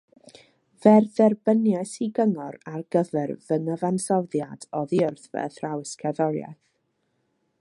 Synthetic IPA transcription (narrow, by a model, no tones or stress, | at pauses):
vɛrðɛrbənjɛsiɡəŋɔɾarɡ̥əvɛrvəŋəvansɔðjadɔðiʊrθvɛ̰θrawɪskʰɛðɔɾja̰θ